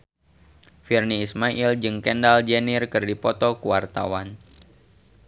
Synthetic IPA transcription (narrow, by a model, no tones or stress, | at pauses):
firniːsmaʔild͡ʒɨŋkɛndald͡ʒenirkɨrdipɔt̪ɔkuwart̪a̰wan